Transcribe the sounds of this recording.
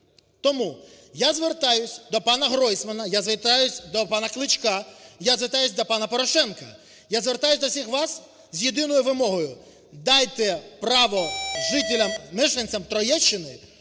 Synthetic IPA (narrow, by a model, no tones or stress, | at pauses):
t̪ɔmu | jazʋert̪ɑjʊsʲd̪ɔpɑnɐɦɾɔjsmɐnɐjazʋet̪ɑjʊsʲd̪ɔpɑnɐklˠɪt͡ʃkɑjazʋet̪ɑjʊsʲd̪ɔpɑnɐpɔɾɔʃɛnkɐ | jazʋert̪ɑjʊsʲd̪ɔwsʲixʋɑs | zʲjed̪ɪnɔjʊʋɪmɔɦɔjʊ | d̪ɑjt̪ɛpɾɑʋɔʒɪt̪ʲɪlʲɐmnɪʒenʲt͡sʲɐmt̪ɾɔjɛt͡ʃːɪnɪ